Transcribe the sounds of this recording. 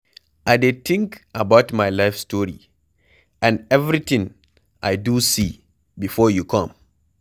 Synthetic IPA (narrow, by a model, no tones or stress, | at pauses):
ʔajdet̪ʰĩŋkabawtmajlajfstɔɾḭ | ʔãnɛvɾit̪ĩŋ | ʔajdusi | bifɔjukʰɔ̃m